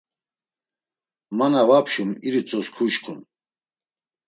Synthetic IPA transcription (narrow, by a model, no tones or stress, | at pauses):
manavapʰʃumiɾit͡sʼɔskʰuʃkʰun